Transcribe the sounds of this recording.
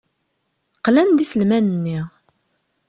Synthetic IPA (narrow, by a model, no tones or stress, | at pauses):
qlænd̪isəlmænənːiʁ